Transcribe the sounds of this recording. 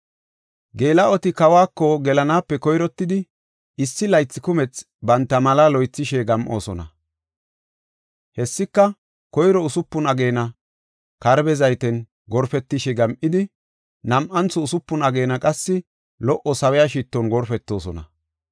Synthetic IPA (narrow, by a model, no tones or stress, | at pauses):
ɡe̞ːlɐɔt̪ɪkɐwaːkːɔɡɛlɐnaːpːɛkɔjɾɔt̪ːɪd̪ɪ | ɪsːɪlɐjt͡sːɪkʊmɛt͡s | bɐnt̪ːɐmɐlalɔjt͡sːɪʃɛɡɐmʔo̰ːsɔnɐ̰ | hɛsːɪkːɐ | kɔjɾɔʊsʊpːʊnɐɡe̞ːnɐ | kɐɾbɛzɐjt̪ɛn | ɡɔɾfɛt̪ːɪʃɛɡɐmʔɪd̪ɪ | nɐmʔɐnt͡sːɔʊsʊpːʊnɐɡe̞ːnɐkʼɐsːɪ | lɔʔɔsɐwɛjaʃ̬it̪ːɔnɡɔɾfɛt̪ːo̞ːsɔnɐ̰